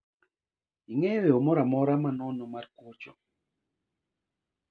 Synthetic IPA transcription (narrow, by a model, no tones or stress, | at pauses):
iŋɛweomɔɾamɔɾamanɔnomarkot͡ʃɔ̰